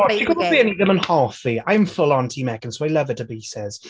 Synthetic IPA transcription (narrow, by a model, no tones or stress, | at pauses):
ɔəkʰɔzəbiəniðə̃mə̃nhɔːˑfiaɪə̃ɱfʊlə̃ntʰiːmɛkə̃nsoʊaɪləvətʰəbisɛz̥